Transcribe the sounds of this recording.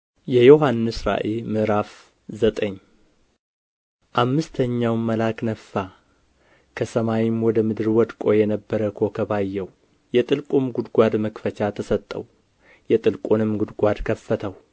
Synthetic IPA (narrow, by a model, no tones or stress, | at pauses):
jɛjo̞ɦanːɨsɾa̰ʔelmɨɾaf | zət̪ʼəɲː | ʔamːɨst̪ʰəɲːawmːəlaknəfːa | kʰəsəmajɪmwɔd̪əmɨd̪ɨɾwɔd̪kʼo̞jɛnəbːəɾəkʰo̞kʰəbajːɛw | jɛt̪ʼɨlkʼumɡud̪ɡʷad̪məkfət͡ʃat̪ʰəsət̪ʼːə̰w | jɛt̪ʼɨlkʼunɨmɡud̪ɡʷad̪kʰəfːət̪ʰəw